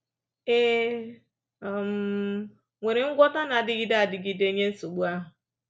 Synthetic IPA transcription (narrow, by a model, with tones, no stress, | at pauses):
e˦˨ | m̩˨˦ | ŋʷe˨ɾe˨ŋ̩˦ɡʷɔ˦ta˦na˨dɪ˦ɡi˦da˦a˨dɪ˨ɡi˦de˦ɲe˦n̩˦so˨ɡ͡bu˦a˦ɦʊ˨